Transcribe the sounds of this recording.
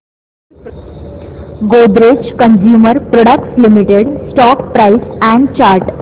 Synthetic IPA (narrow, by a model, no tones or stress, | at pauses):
ɡod̪ɾet͡ɕkənd͡ʑjuːməɾpɾɔɽək̚ʈslimiʈeɖsʈɔkpɾaisɛ̃ɳɖt͡ɕaɾʈ